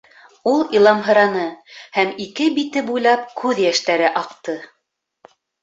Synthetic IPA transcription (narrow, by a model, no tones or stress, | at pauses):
ulˠilˠɑmɦɤ̆ɾɑnɤhæmikɘbit̪ɘbujlˠɑp̚kʉðjæʃt̪æɾɘʔɑqt̪ɤ